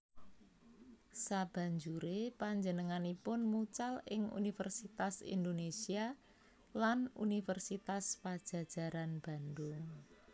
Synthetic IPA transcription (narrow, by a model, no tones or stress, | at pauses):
sab̥a̤ɲd͡ʒuɾepaɲd͡ʒənəŋanipʊnmut͡ʃalɪŋṵnifərsit̪asḭnd̪onesia | lanṵnifərsit̪aspad̥ʒ̥ä̤d̥ʒ̥a̤ɾanb̥a̤nd̪ʊŋ